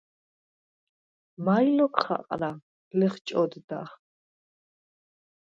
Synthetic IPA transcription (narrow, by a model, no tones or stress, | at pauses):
majlɔkχa̰qʼɾa | lɛχt͡ʃʼɔd̪d̪a̰χ